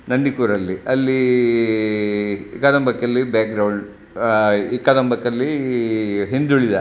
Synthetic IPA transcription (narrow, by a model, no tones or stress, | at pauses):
nɐnɖikuɾɐlːiɐlːi | ikːaːd̪ɐmbɐkːɐlːibaːk̚ɡɾɐwɭ | ikːaːd̪ɐmbɐkːɐlːi | ɦind̪uɭid̪ɐ